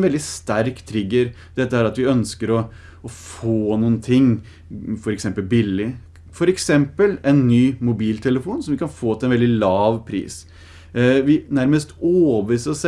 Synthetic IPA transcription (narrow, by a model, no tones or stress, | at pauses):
ʋɛld̪ɪst̪æɾkt̪ʰɾɪɡːəɾ | d̪̥ɛt̪ːəæɾɑt̪ʋɪœnskəɾɔ | ɔfoːnuːən̩t̪ʰɪŋː | fɔɾɛksɛmpəlbɪlːɪ | fɔɾɛksɛmpəlɛnːyːmʊbiːlt̪ʰɛləfuːnsɔmʋɪkʰɑnfoːt̪ɛnʋɛld̪ɪlɑːʋpʰɾḭːs | ʋɪnæɾməst̪oːbəiːsəɾɔs